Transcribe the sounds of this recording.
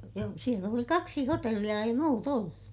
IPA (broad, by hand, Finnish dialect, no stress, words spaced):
joː siel oli kɑksi hotelːij̆ɑ ei muːt olːu